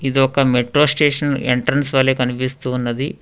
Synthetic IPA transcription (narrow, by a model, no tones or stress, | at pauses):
id̪iɔkɐmeʈɾoːsʈeːʂɐneɳʈɾɐnsʋɐlːeːkɐnipist̪uːnːɐd̪i